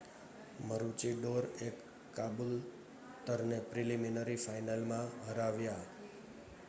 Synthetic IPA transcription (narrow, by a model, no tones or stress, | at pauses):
məɾut͡ʃiɖoɾekː | abul | t̪əɾnepɾiliminəɾifajnalmãɦəɾaʋja